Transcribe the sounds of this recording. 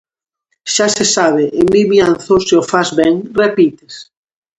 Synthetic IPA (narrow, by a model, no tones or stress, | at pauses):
ʃasesaβɪʔɪmiβianθoseofazβɛŋrepit̪es